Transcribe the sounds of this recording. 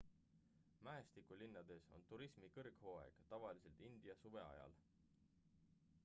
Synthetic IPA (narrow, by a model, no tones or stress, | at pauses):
mæest̪ikˑulinːɑd̪̥e̞so̞̰nt̪uɾismikɤrɡ̥hoːḛɡ̥t̪ɑvɑlise̞lt̪ind̪̥iɑsuve̞̰ɑ̰jɑ̰l